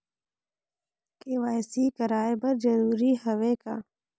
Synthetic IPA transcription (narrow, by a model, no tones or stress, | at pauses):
kewaːjsiːkɐɾaːebɐɾd͡ʒɐɾuːɾiːhɐweːka̰ː